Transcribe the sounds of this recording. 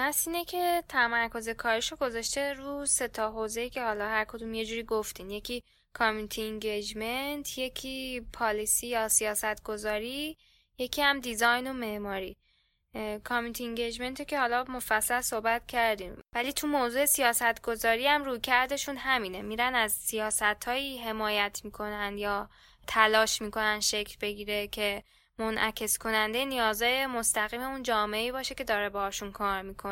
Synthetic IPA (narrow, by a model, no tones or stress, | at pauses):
æsiːnecʰe̞t̪ʰæmæɾkʰo̞ze̞kʰɒːɾiʃo̞ɡo̞zɒʃt̪e̞ɾuse̞t̪ʰɒɦoze̞jicʰe̞hɒːlɒhæɾkʰod̪uːmje̞d͡ʒuːɾiːɡoft̪iːnje̞cʰiː | kʰɒmint̪ʰieŋɟed͡ʒment̪ʰje̞cʲʰiːpʰɒːlisiːjɒːsijɒːsæt̪ʰɡ̥ozɒːɾiː | je̞cʰiːhæmd̪izɒjnome̞ʔmɒːɾiː | kʰɒmint̪ʰieŋɟed͡ʒme̞nt̪ʰecʰehɒːlɒːmofæsːælsohbæt̪cʰæɾd̪iːmvæliːt̪ʰumoːzuːe̞sijɒːsæt̪ʰɡo̞zɒːɾiːæmɾuːjcʰæɾd̪e̞ʃunhæmiːne̞miːɾænæzsijɒːsæt̪ʰhɒːiːɦe̞mɒːjæt̪ʰmiːkʰo̞nænd̪jɒː | t̪ʰælɒːʃmiːkʰo̞nænd̪ʃe̞cʰlbe̞ɟiːɾe̞cʰe̞ | monʔæcʰe̞skʰo̞nænd̪e̞jenijɒːzɒːjemo̞st̪æɣiːme̞und͡ʒɒːmeeiːbɒːʃe̞ced̪ɒːɾebɒhɒːʃunkʰɒːɾmikʰo